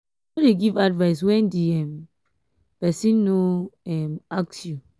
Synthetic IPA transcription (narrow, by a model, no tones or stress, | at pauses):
ɔdeɡivadvaɪs̬wɛ̃ndiɛm | pɛsĩnːoɛmak̚sju